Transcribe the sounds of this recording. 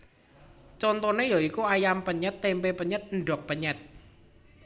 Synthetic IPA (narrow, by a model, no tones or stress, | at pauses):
t͡ʃɔnt̪ɔnejɔikuajampəɲət̪ːempepəɲət̪̚nɖɔk̚pəɲət̪̚